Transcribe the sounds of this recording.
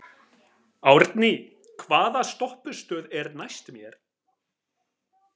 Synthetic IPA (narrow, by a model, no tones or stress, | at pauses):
awɾt̪nɪ | kʰvaːðast̪ɔhpʏst̪œːðɛɾnajst̪mjɛɾ̥